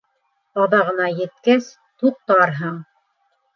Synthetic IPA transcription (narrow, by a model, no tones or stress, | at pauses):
ɑðɑʁɤ̆nɑjɘ̆t̪̚kæs | t̪uq̚t̪ɑɾɦɤɴ